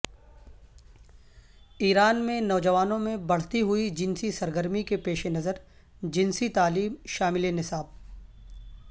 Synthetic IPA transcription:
iːɾaːnmẽnɔːd͡ʒɐʋaːnõmẽbɐɽ̤t̪iɦʊid͡ʒɪnsisɐɾɡəɾmikepeːʃenɐzəɾ | d͡ʒɪ̃nsit̪aːliːmʃaːmɪlenɪsaːb̚

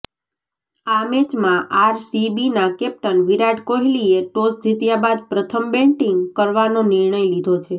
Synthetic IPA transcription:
amet͡ʃmãʔaɾsibinakɛp̚ʈənʋiɾaɖkoɦilieʈosd͡ʒit̪jabad̪pɾət̪ʰəmbeɳʈĩŋɡkəɾʋanonɪɾɳəjlid̪ʱot͡ʃʰe

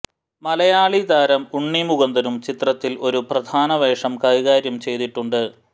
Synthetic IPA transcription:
mɐlɐjaːɭid̪aːɾɐmuɳːimuɣɐnd̪ɐɾumt͡ɕit̪rɐt̪ːilʔo̞ɾuprɐd̪ʱaːnɐʋeːʂɐmkɐiɣaːɾjɐmt͡ɕe̞jt̪iʈːuɳɖɨ

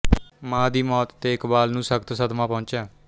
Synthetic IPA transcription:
mãːd̪iːmɔːt̪ːeːɪkbaːlnũːsəkt̪səd̪mãːpɔ̃ːʊ̃nt͡ʃaː

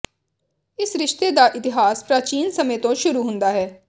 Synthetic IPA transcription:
ɪsɾɪʃt̪eːd̪aːʔɪt̪ɪɦaːspɾaːt͡ʃiːnsəmẽːt̪õːʃʊɾuːɦʊ̃nd̪aːɦɛː

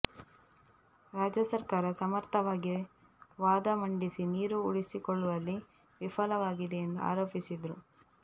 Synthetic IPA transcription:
ɾaːd͡ʒjɐsɐɾkaːɾɐsɐmɐɾt̪ʰɐʋaːɡi | ʋaːd̪ɐmɐɳɖisiniːɾuuɽisikɔɭːuʋɐlːi | ʋifɐlɐʋaːɡid̪e̞ːnd̪ua̰ːɾo̞ːpisid̪ɾu

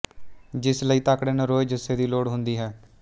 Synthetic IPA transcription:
d͡ʒɪsləiːt̪aːkɽeːnəɾoːeːd͡ʒəseːd̪iːloːɽɦʊnd̪iːɦɛː

